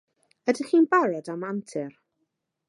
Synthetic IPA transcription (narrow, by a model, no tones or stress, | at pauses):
ədɪχiːnbaɾɔdamantʰɪr